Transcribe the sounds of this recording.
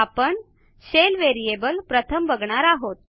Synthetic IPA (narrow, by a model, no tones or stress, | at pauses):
apəɳ | ɕelʋeɾiebəlpɾət̪ʰəmʋəɡɳaɾaɦot̪̚